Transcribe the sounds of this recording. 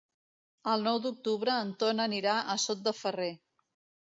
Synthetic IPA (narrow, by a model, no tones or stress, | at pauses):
əlˠnɔwd̪uk̚t̪uβɾəːnt̪onəniɾaʔəsot̪̚d̪əfəre